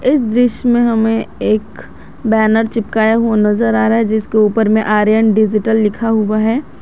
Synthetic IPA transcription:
ɪsd̪ɾɪʃjmẽɦɐmẽeːk | bɛːnəɾt͡ʃɪp̚kaːjaɦuanɐzəɾaːɾaɦɛd͡ʒɪskeuːpəɾmẽʔaːɾjəɳɖɪd͡ʒɪʈəlːɪkʰaɦuaɦɛː

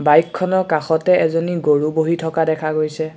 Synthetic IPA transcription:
bajkʰːɔnɔɹkaxɔtɛɛzoniɡoɹuboɦitʰɔkadɛkʰaɡojsɛ

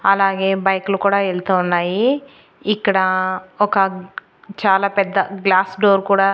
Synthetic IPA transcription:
ɐlaːɡeːbɐjklukuːɽɐeɭt̪ɐunːaːji | ikːɐɽɐɔkːɐ | t͡ʃaːlaːpɛd̪ːɐɡlaːsɖoːɾkuːɽaː

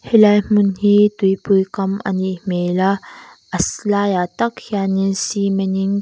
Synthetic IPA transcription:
helajmunɦit̪uipujkɐmɐ̰nimela | ɐslajat̪ɐkʰjanisimeniŋ

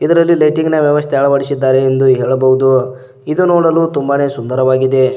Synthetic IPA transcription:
id̪ɐɾɐlːilɐjʈiŋɡnɐʋjɐʋɐst̪ʰɛaːɭɐʋɐɽisid̪ːaːɾeːnd̪uɦeːɭɐbɐɦud̪u | id̪unoːɽɐluːt̪umbɐne̞ːsund̪ɐɾɐʋaːɡid̪e̞

